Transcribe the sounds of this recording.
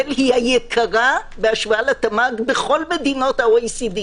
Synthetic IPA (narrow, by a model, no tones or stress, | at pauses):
lhihajekʰaʁabeaʃvaalat̪amaɡbeχo̞lmed̪ino̞t̪haojsid̪i